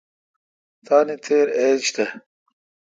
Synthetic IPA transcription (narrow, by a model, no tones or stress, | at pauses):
t̪aːnit̪ʰeːɾeːt͡ɕt̪e